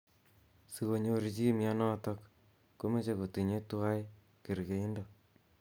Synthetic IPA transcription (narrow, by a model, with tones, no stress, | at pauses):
si˨ko˨ɲo˦ɾi˨t͡ʃi˦mia˦nɔ˦tɔ˦kː | o˦me˦t͡ʃe˨ko˨ti˨ɲe˦tu˦a˦j | ke˨ɾɡe˨i˦ndo˨